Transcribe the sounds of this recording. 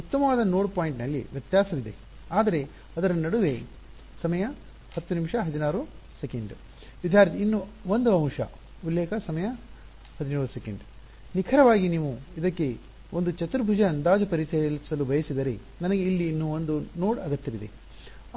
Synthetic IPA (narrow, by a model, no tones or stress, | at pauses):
ut̪ːɐmɐʋaːd̪ɐnoːɽpaːjiɳʈnɐlːḭʋjɐt̪jaːsɐʋid̪e̞̰ | aːd̪ɐɾe̞ | ɐd̪ɐɾɐnɐɽuʋe̞ | sɐmɐjɐ | hɐt̪ːunimʃɐɦɐd̪inaːɾusekeɳɖ | ʋid̪ʱjaːɾt̪iinːuʋond̪uɐ̃mʂɐ̰ | ulːɛːkʰɐsɐmɐjɐ | hɐd̪inuːɾusekeɳɖ | nikʰɐɾɐʋaːɡiniːʋuid̪ɐkːe̞ | ond̪ut͡ʃɐt̪uɾbʱud͡ʒɐːnd̪aːd͡ʒɐpɐɾit͡ʃɐlisɐlubʱɐjɐsid̪ɐɾe̞ | nɐnɐɡe̞ilːiːnːuond̪unoːɽɐɡɐt̪ːɐʋid̪e̞̰